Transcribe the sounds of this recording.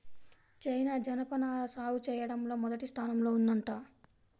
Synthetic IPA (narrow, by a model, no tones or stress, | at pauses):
t͡ʃɐjnaːd͡ʒɐnɐpɐnaːlɐsaːwut͡ʃɛːjɐɽɐmlo̞ːmɔd̪ɐʈist̪ʰaːnɐmlo̞ːund̪ɐɳʈaː